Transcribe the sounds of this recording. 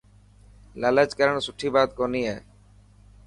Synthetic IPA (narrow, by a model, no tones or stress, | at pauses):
lələd͡ʒkəɾəɳ̃sʊʈʰiːbaːt̪̚kɔniɛː